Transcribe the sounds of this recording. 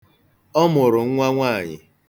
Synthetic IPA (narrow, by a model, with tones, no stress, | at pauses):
ɔ˦mʊ˨ɾʊ˨ŋ̩˦ŋʷa˦ŋʷaː˦˨ɲɪ̰˨